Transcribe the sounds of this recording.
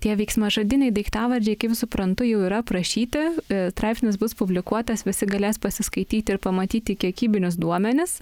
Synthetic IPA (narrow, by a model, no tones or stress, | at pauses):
t̪ʲiɛʋʲɛɪksmɐʒɐd̪ʲɪnʲɛɪd̪ɐɪkt̪ɑːʋɐɾʲd͡ʒʲɛɪkɐɪpsʊpɾɐnt̪ʊjɛʊiːɾɐpɾɐʃʲiːt̪ʲɪst̪ɾɑˑɪpʲsʲnʲɪsbʊspʊbʲlʲɪkuɔt̪ɐsʋʲɪsʲɪɡɐlʲeːspɐsʲɪskɐɪt̪ʲiːt̪ʲɪɾpɐmɐt̪ʲiːt̪ʲɪkʲiɛkʲiːbʲɪnʲʊs̬d̪uɔmʲɛnʲɪs